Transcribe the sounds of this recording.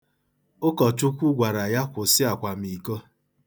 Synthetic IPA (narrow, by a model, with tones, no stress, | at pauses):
ʊ˦kɔ˨tʊ˦kʷu˦ɡʷa˨ɾa˨ja˦kʷʊ˨sɪ˦a˨kʷa˨m̩i˨ko˦